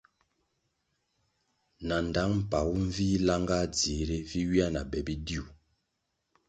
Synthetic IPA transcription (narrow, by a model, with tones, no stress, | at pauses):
na˨n˨da˨˦ŋm̩˨pa˨wu˦ɱ˦viː˦la˦ŋɡa˦˨d͡zi˨˦ɾi˦vi˦wi˦a˦na˨bɛ˨bi˦di˦u˨